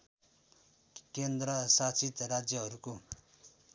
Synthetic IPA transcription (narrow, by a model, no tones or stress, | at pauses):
kend̪ɾʌsat͡sit̪rad͡zjʌɦʌɾuko